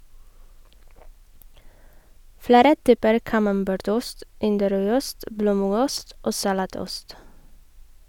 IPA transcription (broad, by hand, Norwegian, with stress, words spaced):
ˈfɽeːɾə ˈtyːpəɾ kɑmɑmˈbæːɾˌtʊst ˈɪndəˌɾœʏˌʊst ˈbloːˌmʉɡʊst ˈoː sɑˈlɑːˌtʊst